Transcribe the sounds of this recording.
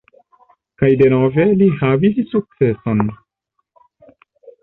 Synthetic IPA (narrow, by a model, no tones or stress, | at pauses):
kajde̞no̞ve̞lihavissuk̚t͡se̞so̞n